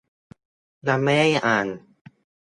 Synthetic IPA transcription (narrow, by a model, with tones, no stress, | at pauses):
la˧mɛ˦˥˨jʔaː˨˩n